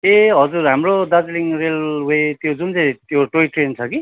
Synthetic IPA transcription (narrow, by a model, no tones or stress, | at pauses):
eɦʌd͡zuɾɦamrod̪ad͡zliŋrelwet̪jod͡zunt͡saj̃t̪joʈoiʈrent͡sʰʌki